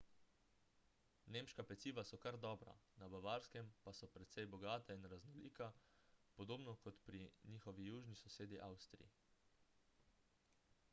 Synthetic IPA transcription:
neːmʃkapɛt̪siːʋasɔkaɾd̪ɔːbɾa̰nabaʋaːɾskɛmpasɔpɾɛt̪sɛjbɔɡaːt̪ainɾaznɔliːkapɔd̪oːbnɔkɔt̪pɾiniːxɔʋijuːʒnisɔseːd̪iʔawst̪ɾḭi

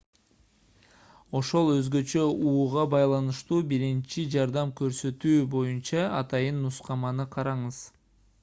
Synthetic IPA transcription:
o̞ʃo̞lˠø̞zɡø̞t͡ʃø̞uːʁɑbɑjlˠɑnɯʃt̪uːbiɾint͡ʃid͡ʒɑɾd̪ɑmkø̞ɾsø̞t̪yːbo̞junt͡ʃɑɑt̪ɑjɯnːusqɑmɑnɯqʰɑɾɑɴɯz̥

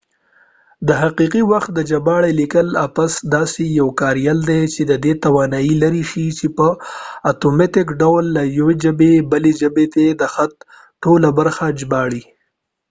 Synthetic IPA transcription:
d̪əɦaqiqiwaxt̪̚d̪əd͡ʒabɑɽelikəlapasd̪ɑsejawkɑɾjald̪et͡ʃed̪əd̪et̪awɑnɑjilaɾiʃit͡ʃepəat̪omeʈ̪ɪkɖawlːajawed͡ʒəbebəled͡ʒəbet̪ed̪əxat̪̚ | ʈolabaɾxad͡ʒbɑɽi

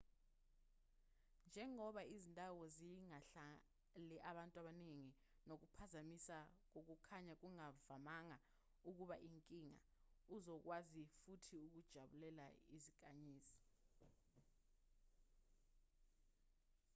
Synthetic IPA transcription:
nd͡ʒʱɛŋɔɓaizintʼawɔziŋaɬa | lɛʔaɓantʼwaɓaneŋi | nok̬upʰazamisak̬ok̬ukʰaɲak̬uŋavamaŋa | uk̬uɓaʔiŋkʼiŋa̰uzɔk̬wazifutʰiuk̬ud̥ʒ̥ʱaɓulɛlaizik̬ʼaɲiːzi̥

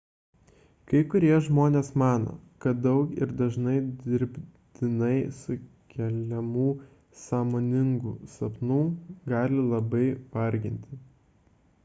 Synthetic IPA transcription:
kɐɪkʊɾʲiɛʒmoːnʲeːsmɑːno̰ːkɐt̪̚d̪ɐʊkɪɾd̪ɐʒnɐɪd̪ʲɪɾʲbʲt̪ʲɪnɐɪsʊ | kʲɛlʲɛmuː | sɑːmoːnʲɪŋɡṵːsɐpnuːɡɑːlʲɪlˠɐbɐɪʋɐɾʲɡʲɪnʲt̪ʲɪ

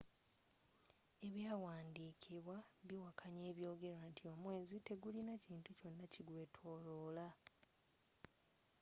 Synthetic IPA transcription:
e̞βjaːwaːndiːkʰiβwaβiwakʰaɲe̞ːβjo̞ːɡe̞ɾantʰio̞mwe̞ːzite̞ɡulinaciːntuco̞nːaciɡwe̞ːtʰo̞ːloːla

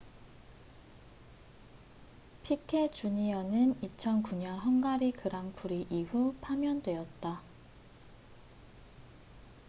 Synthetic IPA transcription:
pʰikʰe̞t͡ɕuɲiʌnɯnit͡ɕʰʌnkuɲʌnɦʌnɡaɾikɯɾaŋpʰuɾiʔihupʰamjʌndwe̞ʌt̚t͈a

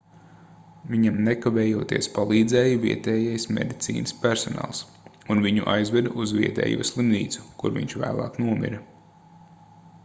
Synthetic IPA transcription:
viɲamnekavɛːjuɔːt̪iɛspalˠiːd̪zɛːjuviɛt̪ɛːjajsmʲḛd̪it̪sḭːnɨspæɾsɔna̰ːlˠs | unviɲṵʔajzvɛd̪ʔuzvʲiɛt̪ɛ̰ːjṵɔslˠimniːt̪su̥kṵɾvḭɲʲt͡ʃvæ̰ːlˠɑ̰ːknuɔmʲḭɾɐ

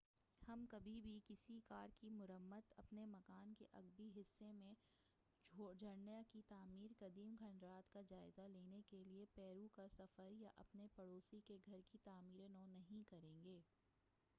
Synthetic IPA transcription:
hɐmkɐbʱibʱikɪsikaːɾkimʊɾəmːət̪ɐpnemɐkaːnkeʔɐɡ̚biɦɪsːemẽ | d͡ʒʱɐɽnjakit̪aːmiːɾkɐd̪iːmɡʰʱɐɳɾaːt̪kad͡ʒaːɪzaleːnekeliepɛːɾukasɐfəɾjaʔɐpnepɐɽoːsikeɡʱɐɾkit̪aːmiːɾenɔ̃ːnɐɦĩkɐɾẽːŋɡeː

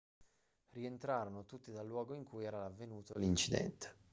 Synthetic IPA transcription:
rient̪ɾaːɾonot̪ut̪ːid̪alːwɔːɡoiŋkʰujɛːɾalavːenuːt̪olint͡ʃid̪ɛ̰nt̪e̥

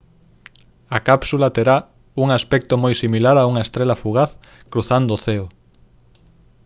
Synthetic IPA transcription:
akapsulat̪eɾa | uŋaspɛk̚t̪omojsimilaɾauŋɐest̪ɾelafuɣ̞aθ | kɾuθand̪oːθeo

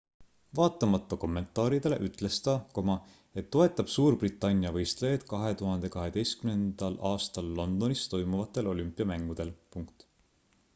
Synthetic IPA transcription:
vɑːt̪ːˑɑmɑt̪ːˑɑko̞mːe̞nt̪ˑɑːɾid̪̥ele̞ʔyt̪ˑle̞st̪ɑko̞mɑ | e̞t̪ːo̞et̪ːˑɑb̥suːɾbrit̪ːˑɑnʲːjɑvɤjst̪lejɑd̪̥kɑɦe̞t̪uɦɑnd̪̥e̞kɑɦe̞d̪̥e̞jskymne̞nd̪̥ɑlʔɑːst̪ɑlːo̞nd̪̥o̞nist̪o̞jmuvɑt̪ːˑe̞lo̞lʲympːˑiɑmæŋɡ̥ud̪̥e̞lpuŋkt̪

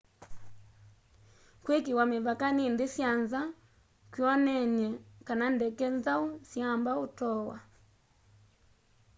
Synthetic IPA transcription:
kwekiwameβakanindisjanza | kwiɔnɛɲɛkanandɛkɛnzausjambautɔwa̰

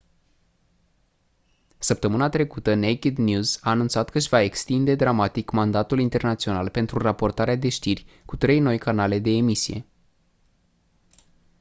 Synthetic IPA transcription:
səp̚t̪əmɨnat̪ɾe̞kut̪ənejkid̪njuzaːnunt̪sat̪kəʃʲvae̞kst̪ind̪e̞d̪ɾamat̪ikmand̪at̪ulint̪e̞rnat̪sio̞nalpe̞nt̪ɾurapo̞rt̪aɾead̪e̞ʃt̪irʲ | kut̪ɾe̞jno̞jkanale̞d̪e̞ːmisije̞̰

